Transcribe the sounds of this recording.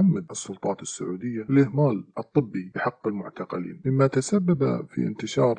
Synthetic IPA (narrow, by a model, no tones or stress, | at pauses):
amːad̪ʔɨsˤːʊlt̪ˤɑːt̪ɪsːaʕuːd̪ɪjːaɪlʔɪhmaːlʔɨt̪ˤːɨbːibɪħɑqːɪlmʊʕt̪ɑqɑlḭːnmɪmːat̪asabːaba̰fḭʔɪ̰nt̪ɪʃɑːɾˤ